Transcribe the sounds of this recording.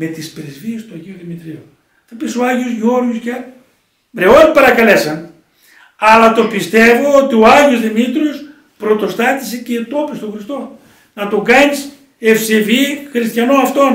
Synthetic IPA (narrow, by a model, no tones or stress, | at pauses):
me̞t̪ispɾezviest̪uɐʝiuðimit̪ɾiu | θɐpisoɐʝiozʝo̞ɾʝusc | ɾeonipɐɾɐkɐle̞sɐn | ɐlɐt̪o̞pist̪e̞voot̪ioɐʝiozðimit̪ɾios | pɾo̞t̪o̞st̪ɐt̪ise̞cet̪o̞pist̪oxɾist̪o̞ | nɐt̪oɡɐɲis | efsevixɾist̪çɐnoɐft̪o̞n